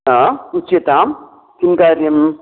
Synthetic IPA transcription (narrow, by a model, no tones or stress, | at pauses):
aut͡ʃːjɐt̪aːm | kinkaːɾjɐm